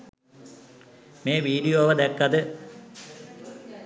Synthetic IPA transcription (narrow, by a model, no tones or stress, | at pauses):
meːʋiːɾijoːʋɐd̪ekːɐðɨ